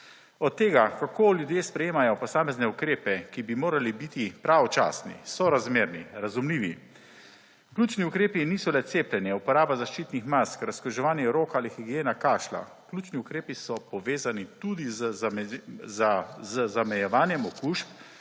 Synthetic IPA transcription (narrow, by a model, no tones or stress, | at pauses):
ɔt̪ːeːɡakakoːljud̪jeːspɾɛjeːmajɔpɔsaːmɛznɛukɾeːpɛkibimoːɾalibit̪ipɾaɔt͡ʃa̰ːsnḭsɔɾazmeɾniɾazumliːʋi | klʲuːt͡ʃniukɾeːpiniːsɔlɛt̪seːplʲɛnjɛupɔɾaːbazaʃt͡ʃiːt̪nixmaskɾaskɾuʒɛʋaːnjɛɾoːkaːlixiɡijeːnakaːʃla̰ | klʲuːt͡ʃniukɾeːpisɔpɔʋeːzanit̪ud̪iz | zzzamɛjɛʋaːnjɛmɔkuːʃp